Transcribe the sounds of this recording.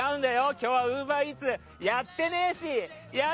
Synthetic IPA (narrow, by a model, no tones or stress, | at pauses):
aɯ̟̃nd̪ajo̞kʲo̞ːβaɯ̟ːbait͡sɨ | jat̪ːe̞neɕi | ja